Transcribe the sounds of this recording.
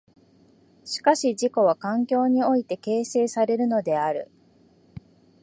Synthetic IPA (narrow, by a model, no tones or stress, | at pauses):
ɕi̥kaɕiʑiko̞βakãŋkʲo̞ːɲ̟io̞it̪e̞ke̞ːse̞ːsaɾe̞ɾɯ̟no̞d̪e̞aɾɯ̟̰